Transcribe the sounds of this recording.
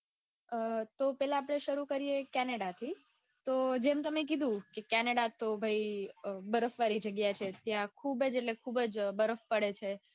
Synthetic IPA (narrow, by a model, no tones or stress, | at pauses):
t̪opɛlãːpɽ̃eʃəɾukəɾijekɛneɽat̪ʰi | t̪od͡ʒemt̪əmek̬id̪ʱũkekɛneɽat̪obʱəibəɾəfʋaɾid͡ʒəɡjat͡ʃʰet̪jãkʰubəd͡ʒeʈlekʰubəd͡ʒbəɾəfpəɽet͡ʃʰe